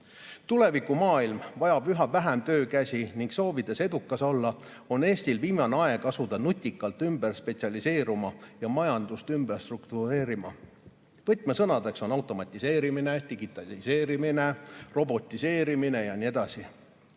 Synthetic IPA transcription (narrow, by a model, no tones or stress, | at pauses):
t̪ule̞vikumɑːilmvɑjɑb̥yɦɑvæɦæmt̪ø̞ːkæsʲiniŋɡso̞ːvid̪e̞se̞d̪̥ukːˑɑso̞lːɑ | o̞ne̞ːst̪ilviːmɑneɑe̞ɡ̥ɑsud̪ɑnut̪ʲːˑikːˑɑlt̪ːˑymb̥e̞rspe̞t̪siɑlise̞ːɾumɑjɑmɑjɑnd̪̥ust̪ymberst̪rukt̪uɾe̞ːɾimɑ | vɤt̪ːˑmesɤnɑd̪e̞kso̞nɑwt̪ˑo̞mɑt̪ʲːˑise̞ːɾimine̞d̪iɡ̥it̪ːˑɑlise̞ːɾimine̞ro̞bo̞t̪ʲːˑise̞ːɾimine̞jɑnie̞d̪̥ɑsi